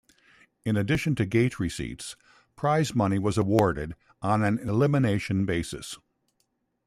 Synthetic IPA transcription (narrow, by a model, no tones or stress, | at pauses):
ɨ̃nɨdɪʃɨ̃n̩tʰɨɡeɪt̚ʰɹisḭts | pʰɹ̥aɪzmʌniwʌzəwɔɹɾɪɾ | n̩ɨ̃nɪlɪmɨneɪʃɨ̃nbeɪsɨ̰s